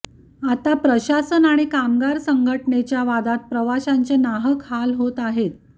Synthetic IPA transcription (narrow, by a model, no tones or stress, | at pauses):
at̪apɾəɕasənaɽ̃ikamɡaɾsəŋɡʱəʈɳet͡ɕjaʋad̪at̪̚pɾəʋaɕaɲt͡senaɦəkɦalɦot̪aɦet̪̚